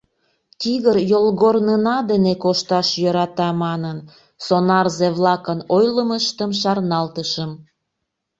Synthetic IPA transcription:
t̪iɣəɾjolɣornənɑd̪enekoʃt̪ɑʃjøɾɑt̪ɑmɑnən | sonɑrzeβlɑkənojləməʃt̪əmʃɑrnɑlt̪əʃəm

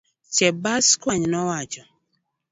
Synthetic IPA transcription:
t͡ʃɛbaskwaɲnɔwad͡ʒɔ

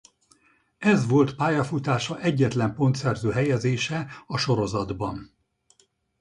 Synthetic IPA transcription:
ɛzʋo̞lt̪paːjɒfut̪aːʃɒʔɛɟːɛt̪lɛmpo̞nt̪sɛrzøːɦɛjɛzeːʃɛɒʃo̞ɾo̞zɒd̪bɒn

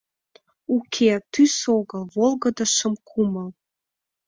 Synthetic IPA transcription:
ukʰet̪ysoɣəlβolɣəd̪ə̆ʃəmkʰuməl

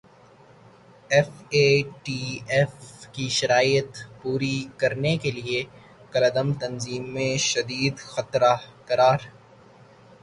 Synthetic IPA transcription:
ɛfeːʈiːɛfkiʃɐɾaːjət̪puːɾikɐɾnekelie | kɐləd̪əmt̪ɐnziːmːẽʃɐd̪iːd̪xɐt̪ɾakɐɾaːɾ

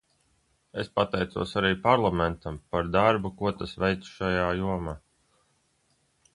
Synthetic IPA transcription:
espat̪ɛjt̪sṵɔsaɾiːpaɾlˠament̪ampaɾd̪aɾbukuɔt̪asvɛjt̪sʃajaːjuɔmaː

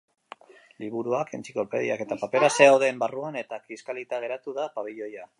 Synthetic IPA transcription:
liβ̞uɾuake̞nt͡siko̞lpe̞ð̞iake̞t̪apape̞ɾase̞awðe̞ːmbaruane̞t̪akiskalit̪aɣ̞e̞ɾat̪uðapaβ̞iʎo̞ja

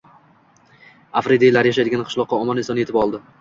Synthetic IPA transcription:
afɾɪd̪ilaɾjaʃajd̪ɪɡʲanqʰɨ̥ʃlˠɒqːɑɒmɒnɪnsɒnjeɪpɒlˠd̪ɪ

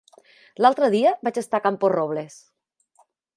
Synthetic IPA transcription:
lalˠt̪ɾəðiəβat͡ʃest̪akampozroβ̞les

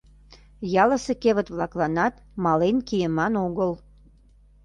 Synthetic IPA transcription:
jɑlə̆sekeβət̪βlɑklɑnɑt̪ | mɑlenkijəmɑnoɣəl

